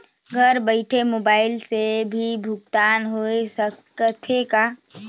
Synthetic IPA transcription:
ɡʱəɾbəɪʈʰemoːbaːɪlsebʱibʱʊɡ̚t̪aːnɦoesə | ət̪ʰeka

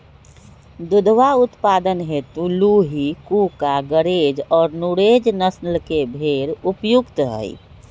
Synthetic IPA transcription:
d̪ud̪ʋaʊt̪pad̪ənɦet̪uluɦikukaɡəɾed͡ʒɔːɾnuɾed͡ʒnəsnəlkebʱeɾupjukt̪ɦə̰j

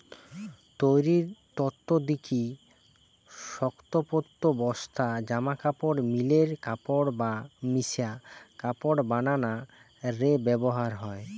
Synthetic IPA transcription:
t̪ojɾiɾt̪ɔt̪ːod̪iki | ʃɔkt̪opot̪ːobɔst̪ʰad͡ʑamakapoɽmileɾkapoɽbamisiakapoɽbanana | ɾebɛboɦaɾɦɔe

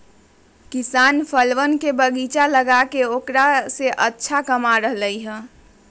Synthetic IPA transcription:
kisanpʰəlʋənkebəɡit͡ʃaləɡakeokɾaseʔətːʃʰakəmaɾəɦləjɦə̃

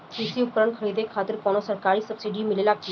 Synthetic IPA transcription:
isiʊkɾəɳkʰəɾiːd̪ekʰaːt̪ɪɾkoːnosəɾkaːɾisəbsiɖimɪlelaɡ̚t̪i

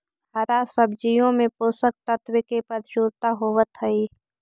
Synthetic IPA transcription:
ɐɾasəb̚d͡ʒijõmẽpoːsək̚t̪ət̪wɪkepɐɾd͡ʒuːɾt̪aɦowət̪ɦəiː

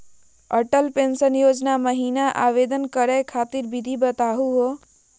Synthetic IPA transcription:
əʈəlpensənjod͡ʒnaməɦinaʔa̰ʋed̪ənkəɾɛkʰat̪iɾbid̪ʱibət̪aɦuɦo

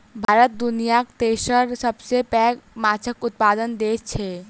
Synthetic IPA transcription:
bʱaːɾət̪̚d̪ʊnijakt̪eːʃəɾsəbsepɛːɡmaːt͡ʃʰəkʊt̪̚paːd̪ənd̪eːt͡ʃʰɛ

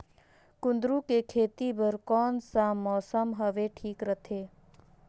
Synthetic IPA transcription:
kʊ̃nd̪ɾũkekʰeːt̪ibəɾkɔːnsamɔːsəmɦəʋeʈʰiːkɾət̪ʰeː

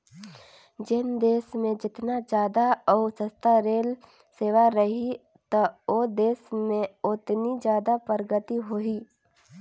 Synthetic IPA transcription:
d͡ʒɪnd̪eːsmẽd͡ʒɪt̪nad͡ʒjaːd̪aɔːsəst̪aɾeːl | seːʋaɾəɦi | t̪aod̪eːsmẽʊt̪nid͡ʒjaːd̪apəɾɡət̪iɦoi

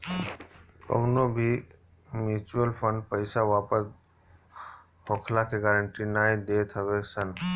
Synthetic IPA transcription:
kə̰ʊnobʱi | mjut͡ʃuəlpʰəɳɖpəɪsaʋaːpəs | ɦokʰlakeɡaːɾəɳʈinaːjd̪et̪ʰəbesən

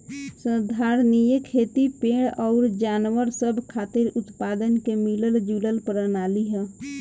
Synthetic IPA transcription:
sə̃d̪ʱaːɾnijəkʰeːt̪ipeːɽɔːɾd͡ʒaːnʋəɾsəbʱkʰaːt̪ɪɾʊt̪paːd̪ənkemiləld͡ʒuləlpəɾənaːliɦɛ̃

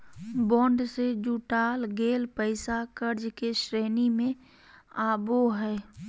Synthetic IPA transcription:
bɔːɳɖsed͡ʒuʈaːlɡeːlpəɪsakəɾd͡ʒkeʃɾeːnimẽ | aːboɦɛː

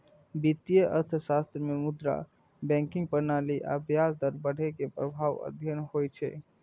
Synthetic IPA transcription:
bit̪ijəʔə̰ɾt̪ʰsast̪ɾəmemud̪ɾa̰ | bɛ̃ŋkiŋɡ̚pənaliʔa̰bjasd̪əɾbəɽ̤ekepɾəbʱaʋə̰d̪ʱjənɦojt͡ʃʰɛ̰

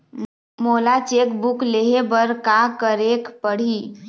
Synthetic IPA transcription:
moːlat͡ʃeːkbʊkleɦebəɾkakəɾekpəɽ̤i

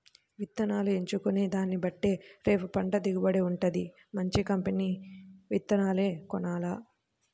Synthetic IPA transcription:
ʋit̪ːɐnaːlue̞ɲt͡ʃukuniːd̪aːnːibɐʈːeːɾe̞ːpupɐɳʈɐd̪iɡibɐɽeuɳʈɐd̪i | mɐɲt͡ʃikɐmpeniːʋit̪ːɐnaːle̞ːkɔnaːla

